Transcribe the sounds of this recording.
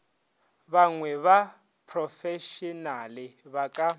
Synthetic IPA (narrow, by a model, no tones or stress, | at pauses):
βaŋwɛβa | pʰrɔfɛʃɔnalɪβakʼa